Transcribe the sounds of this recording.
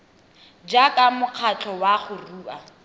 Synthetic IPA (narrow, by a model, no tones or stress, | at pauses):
d͡ʒakamʊq͡χʰat͡ɬʰɔwaχʊruːʔa